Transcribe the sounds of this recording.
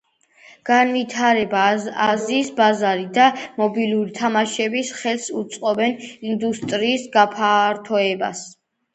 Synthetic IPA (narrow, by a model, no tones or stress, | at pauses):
ɡ̥anvit̪ʰaɾɛbaaziːsbazaɾid̪amɔbiluɾit̪ʰamaʃɛbisχɛlsut̪sʼqʼɔbɛnind̪ust̪ʼɾiːsɡapʰaɾt̪ʰɔɛba̰s